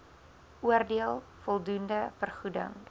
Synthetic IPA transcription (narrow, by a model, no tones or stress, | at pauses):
ʔuərdiəlˠ | fɔlˠdundəfərχudə̰ŋ